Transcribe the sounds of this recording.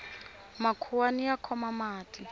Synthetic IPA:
makʰuwanijakʰɔmamaːtʰʼi

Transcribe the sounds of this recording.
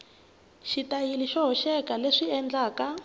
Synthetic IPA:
ʃitajiliʃɔɦɔʃɛkaleʂiɛnd͡ɮaːka

